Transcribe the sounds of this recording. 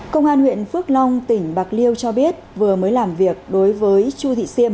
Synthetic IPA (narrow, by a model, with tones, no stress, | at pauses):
kə˧wŋ͡mʔaː˧nhwḭ˧˨ənfɨ˦˥ək̚lɔ˧wŋ͡mt̪ï˧˩ŋ̟ɓa˨˩k̚li˧əwt͡ɕɔ˧ɓi˦˥ət̚vɨ˨˩əməː˨˦jlaː˨˩mvi˨˩ək̚ɗo˨˦jvəː˨˦jt͡ɕu˧t̪ʰḭ˧˨si˧əm